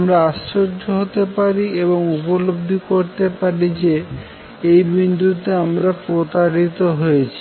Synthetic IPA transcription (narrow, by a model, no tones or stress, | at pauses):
amɾaasoɾd͡ʒʱoɦot̪epaɾieβoŋupolob̚d̪ʱikoɾt̪epaɾid͡ʑe | ejbind̪ut̪eamɾapɾot̪aɾit̪oɦojet͡ɕʰi̥